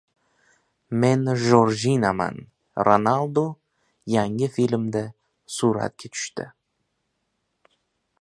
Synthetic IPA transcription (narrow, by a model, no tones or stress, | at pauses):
menʒoɾʒinama̰n | ronalˠd̪o | jæŋɡʲɪfilʲmd̪ɪ | suɾɑ̰t̪̚kʲʰet̪ʰʏ̥ʃt̪ɪ̰